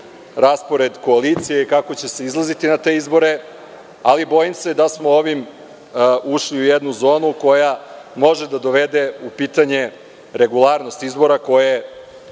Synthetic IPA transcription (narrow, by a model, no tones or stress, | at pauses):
ɾaspo̞ɾe̞d̪ko̞alit̪sijeikako̞t͡ɕe̞se̞izlˠazit̪inat̪e̞ːizbo̞ɾe̞ | alibo̞jimse̞d̪asmo̞oʋim | uʃliujed̪nuzo̞ːnuko̞jamo̞ʒed̪ad̪o̞ʋe̞d̪e̞upiːt̪aɲe̞ | ɾe̞ɡulˠaɾno̞st̪izbo̞ɾako̞je